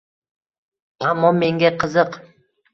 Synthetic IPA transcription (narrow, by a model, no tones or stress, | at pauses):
amːɒme̞ŋɡʲaqʰɨzɨq